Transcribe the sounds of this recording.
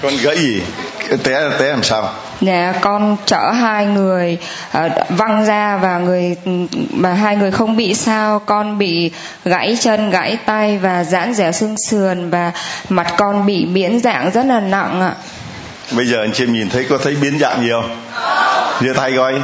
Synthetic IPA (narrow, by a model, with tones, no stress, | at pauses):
kɔ˧nɣə̰˧˥jzi˨˩t̪ɛ˨˦˨t̪ɛ˨˦laː˨˩msaː˧w | ɲa̰ː˧˨kɔ˧nt͡ɕəː˧˩ɦaː˧jŋɨ˨˩əj | ʔːva˧ŋzaː˧vaː˨˩ŋɨ˨˩əjvaː˨˩ɦaː˧jŋɨ˨˩əjxə˧wŋ͡mɓḭ˧˨saː˧wkɔ˧nɓḭ˧˨ | ɣa̰˧˥jt͡ɕə˧nɣa̰ː˧˥jt̪a˧jvaː˨˩za̰ː˧˥nzaː˧˩sɨ˧əŋsɨ˨˩ənvaː˨˩ma˨˩t̚kɔ˧nɓḭ˧˨ɓi˧˥ənza̰ː˧˨ŋzə˦˥t̚laː˨˩na̰˧˨ŋʔa̰ː˧˨ | ɓə˧jzəː˨˩ʔa˧jŋt͡ɕɛ˧mɲi˨˩nt̪ʰə˨˦jkɔ˨˦t̪ʰə˨˦jɓi˨˦ənza̰ː˧˨ŋɲi˨˩ə˨w | zɨ˧t̪ʰa˧jkɔ˧j